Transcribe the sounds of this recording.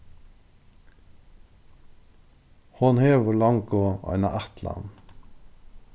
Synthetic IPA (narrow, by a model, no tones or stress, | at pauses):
hʊnheːʋʊlɑŋkoɑ̰ɪnɑ̰ʔæt̪lɑ̰n